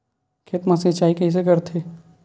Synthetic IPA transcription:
kʰet̪masit͡ʃaːikɐɦis̬ekɐɾt̪ʰeː

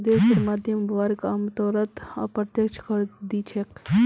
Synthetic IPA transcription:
d̪eːsiɾmaːd̪jəmbʋaːɾkaːmt̪ɔːɾət̪a̰pɾət̪jəkt͡ʃʰkəɾd̪iːt͡ʃʰek

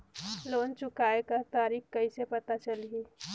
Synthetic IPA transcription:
loːnt͡ʃʊkaːekət̪aːɾiːkkəisepət̪at͡ʃəlɦi

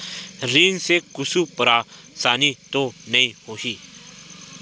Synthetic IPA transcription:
ɾiːnsekʊsupəɾa | saːnit̪onɐĩhoːɦiː

